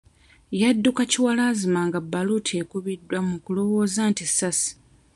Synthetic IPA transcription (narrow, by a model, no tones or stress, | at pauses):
jadːukaciwalaːzimaŋɡabːalutʰie̞kuβidːwamukulo̞wo̞ːzantisasi̥